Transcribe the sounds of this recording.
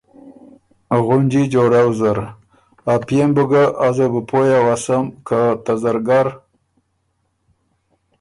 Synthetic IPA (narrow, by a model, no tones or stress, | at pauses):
ɣʊnd͡ʒid͡ʒoɾawzəɾ | apjembəɡəʔazəbəpʰojawasəmkʰat̪azaɾɡaɾ